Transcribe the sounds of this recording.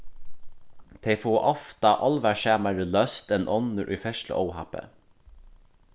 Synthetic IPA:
t̪ʰɛɪfoːʔɔft̪ɑʔɔlʋæʃæːmæɹəlœst̪ɛnʔɔnəɾʔṵjfɛʃʈlə̰ʔɔwhɑ̰pə̰

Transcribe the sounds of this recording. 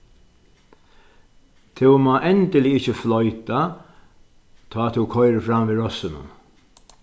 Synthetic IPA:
t̪ʰɪwmaːʔɛnt̪ɪlɪɪt͡ʃːɪflɔjt̪a | t̪ʰɔːt̪ʰɪwkʰɔjɾəfɾamviɾɔsɪnʊ̰

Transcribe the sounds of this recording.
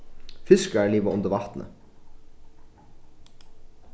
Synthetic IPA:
fɪskæɭiːʋəʊnd̪əɾʋɑt̪n̩ʔə̰

